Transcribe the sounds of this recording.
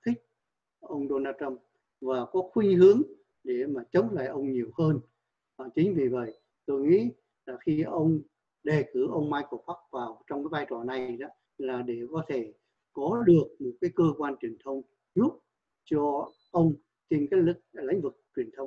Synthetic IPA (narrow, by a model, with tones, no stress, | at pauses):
t̪ʰï˦˥k̟̚ | ʔə˧wŋ͡mɗo˧naː˧tə˧m | vaː˨˩kɔ˨˦xwi˧hɨ˨˦əŋ | ɗe˧˩maː˨˩t͡ɕə˨˦wŋ͡mla̰ː˧˨jʔə˧wŋ͡mɲi˨˩əwhəː˧nː˨˩ | t͡ɕï˨˦ŋ̟vi˨˩və̰˧˨j | t̪o˧jŋḭ˧˥ | laː˨˩xi˧ʔə˧wŋ͡m | ɗe˨˩kɨ˧˩ʔə˧wŋ͡mmaː˧jko˧˩ɓa˦˥k̚vaː˨˩wt͡ɕɔ˧ŋ͡mkaː˨˦jvaː˧jt͡ɕɔ˧˩na˨˩jɗɔ˨˦ | laː˨˩ɗe˧˩kɔ˨˦t̪ʰe˧˩ | kɔ˨˦ɗɨ˨˩ək̚mo˨˩t̚kaː˨˦jkəː˧kwaː˧nt͡ɕwi˨˩ənt̪ʰə˧wŋ͡m | zu˦˥t̚ | t͡ɕɔ˧ | ʔə˧wŋ͡m | t͡ɕi˧nkaː˨˦jk̚lḭ˧˨˦ŋ̟vɨ˨˩k̚t͡ɕwi˨˩ənt̪ʰə˧wŋ͡m